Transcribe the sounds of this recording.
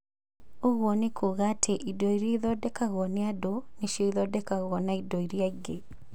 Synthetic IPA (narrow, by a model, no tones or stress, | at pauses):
oɣwɔnekʰuɣatʰeʔidoiɾiðɔdɛkaɣɔneadoneʃiiðɔdɛkaɣɔnaidoiɾiaɡe